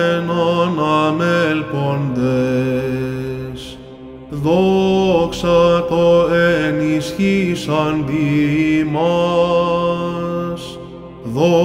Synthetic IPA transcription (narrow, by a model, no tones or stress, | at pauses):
nonɐmelpond̪e | s | ðoksɐt̪oenisçisɐnd̪imɐ | s | ðo